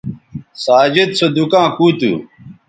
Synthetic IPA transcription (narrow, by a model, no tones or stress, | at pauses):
saːd͡ʑed̪̚sod̪ukãːkuːt̪ṵː